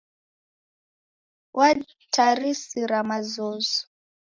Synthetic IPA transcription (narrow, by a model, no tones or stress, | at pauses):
wʔa | tʰarisiɾamazɔːzɔ̥